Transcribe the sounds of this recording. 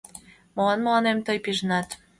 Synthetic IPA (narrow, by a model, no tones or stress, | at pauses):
məlɑnməlɑnemt̪ɤjpiʒənɑt̪